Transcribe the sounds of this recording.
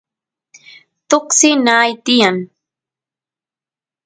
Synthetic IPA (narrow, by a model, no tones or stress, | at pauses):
t̪oksɪnaːjt̪ɪjaŋ